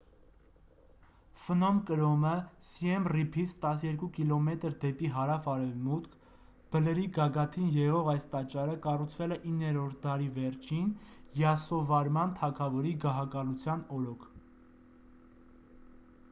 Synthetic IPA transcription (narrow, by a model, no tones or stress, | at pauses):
fənɔmkəɾɔməsiɛmripʰit͡sʰt̪ɑs̬jɛɾkukilɔmɛt̪əɾd̪ɛpiɦɑɾɑfɑɾɛvmut̪kʰ | b̥ələɾiɡɑɡɑt̪ʰinjɛʁɔʁɑjst̪ɑt͡ʃɑɾəkɑrut͡sʰvɛlɛʔinːɛɾɔɾt̪̚ʰd̪ɑɾivɛɾt͡ʃʰinjɑsɔvɑɾmɑnt̪ʰɑkʰɑvɔɾiɡɑɦɑkɑlut͡sʰjɑnɔɾɔkʰ